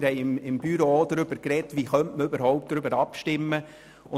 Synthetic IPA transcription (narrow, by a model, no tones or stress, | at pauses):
ɾhɛɪɪmɪmb̥yɾoodɾʏb̥əɾkɾɛtʋiːχœntməøbəɾhɔʊp̚t̚d̥ɾʏbəɾɑpʃtɪmːə | ʊ